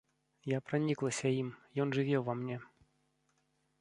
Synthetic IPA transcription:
japɾanʲiklˠɐsʲɐimjɔnʐɨvʲɛwvɐmnʲɛ

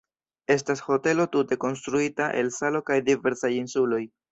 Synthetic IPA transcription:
e̞s̬tasho̞te̞lo̞tute̞ko̞ns̬tɾuitaʔe̞̰lsalo̞kajdive̞ɾsajinsulo̞j

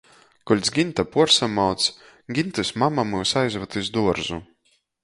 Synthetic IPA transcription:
kulʲt̪sɡʲint̪apuɔɾsamawt̪s | ɡʲint̪ɨsʲmamamɨwsajzvat̪ɨsd̪uɔɾzṵ

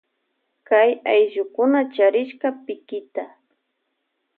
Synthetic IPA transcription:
kajajʒʊkʊnat͡ʃaɾɪʃkapɪkɪt̪a

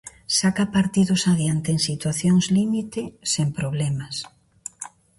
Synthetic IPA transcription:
sakapaɾt̪iðʊsaðjant̪eŋsit̪waθjoŋzlimit̪ɪsempɾoβlɛmas

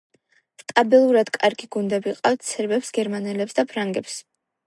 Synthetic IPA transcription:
st̪ʼabilˠuɾad̪kʼaɾɡiɡund̪ɛbiqʼawt̪t̪sʰɛɾbɛpsɡɛɾmanɛlɛpsd̪apʰɾaŋɡɛps

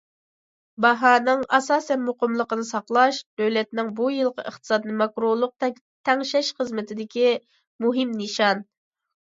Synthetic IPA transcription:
bɑɦɑːnɨŋɑsɑːsɛnmoqəmlˠəqənɨsɑqlˠɑʃd̪ølɛt̪nɪŋbujɨlˠqʰɑə̰χt̪ʰɨ̥sɑd̪ɨnɨmɑkɾolˠʊq̚t̪ | t̪ʰɛŋʃɛʃχəzmɪt̪ʰɪd̪ɪkʲi | muɦɪmnɨʃɑn

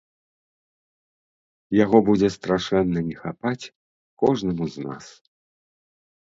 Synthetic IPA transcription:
jaɣɔbud͡zʲɛst̪ɾaʂɛnːɐnʲɛxapat͡sʲ | kɔʐnɐmuzna̰s

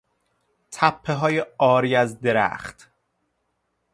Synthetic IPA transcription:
t̪ʰæpʰːe̞ɦɒːjeɒːɾiːæzd̪e̞ɾæ̰xt̪

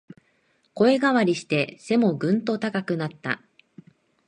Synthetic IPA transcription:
ko̞e̞ɡaβaɾʲiɕi̥t̪e̞se̞mo̞ɡɯ̟̃nt̪o̞t̪akakɯ̟nat̪ːa̰

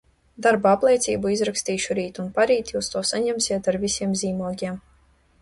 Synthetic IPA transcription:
d̪aɾbaaplˠiɛt̪sʲiːbuizɾakst̪iːʃuɾiːt̪unpaɾiːt̪juːst̪uɔsaɲɛmsiɛt̪aɾvisʲiɛmzʲiːmuɔɡʲiɛm

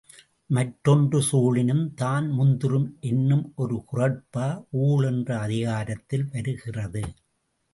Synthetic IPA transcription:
mɐʈɾɔndrɯsuːɭɪnɯmt̪aːnmʊnd̪ɯrɯmʔɛnːɯmɔɾɯkʊrɐɽpaːʔuːɭɛndrɐɐðɪɣaːɾɐt̪ːɪlʋɐɾɯɣɪrɐðɯ

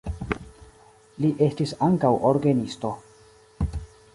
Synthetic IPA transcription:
liʔe̞stisaŋkawʔoɾɡenisto̞

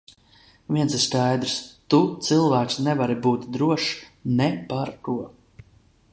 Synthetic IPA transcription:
vʲiɛnsiɾskajd̪ɾst̪ut̪sɨlˠvæːksʲnɛvaɾibuːt̪d̪ɾuɔʃnɛpaɾk̪uɔ

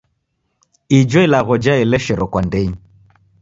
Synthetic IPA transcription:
id͡ʒɔilaɣɔd͡ʒaɛlɛʃɛɾɔkwandɛɲi

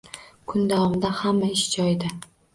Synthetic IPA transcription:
kʰʊnd̪awɒmɪd̪ahamːaɪʃd͡ʒɒjd̪ɪ

